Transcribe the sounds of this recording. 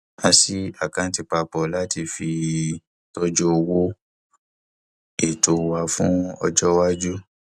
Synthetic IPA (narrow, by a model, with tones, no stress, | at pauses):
a˧si˦a˦˨kã˨˧˦ti˧pa˧pɔ˨la˦ti˧˨fi˧ | tɔ˦d͡ʒɔ˦o˧wo˦ | e˨to˨wa˧fṵ̃˦ɔ˧d͡ʒɔ˦wa˦d͡ʒu˦